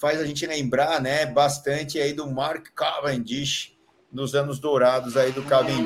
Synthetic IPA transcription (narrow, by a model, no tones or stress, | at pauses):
fajzaʒẽnt͡ʃɪlẽmbɾaɾnɛbast̪ɐ̃nt͡ʃɪaid̪ʊmaɾkːavẽd͡ʒiʃ | nʊzɐ̃nʊzd̪oɾad̪ʊzaid̪ʊkavẽ